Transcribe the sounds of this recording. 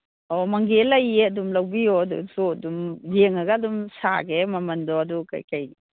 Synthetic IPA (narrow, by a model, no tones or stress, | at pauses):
ɔmaŋɡelɐjeɐdumlɐwbijɔdṵzoɐdumjeŋɐɡaɐdumsa̰ɡemɐmɐndɔɐduka̰jkaj